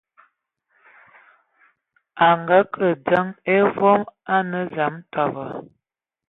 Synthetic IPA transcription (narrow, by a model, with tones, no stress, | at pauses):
a˨ŋɡa˦kʰə˨d͡za˦ŋe˦vɔ˦ma˦nə˦za˨˦m˦tɔ˨və˨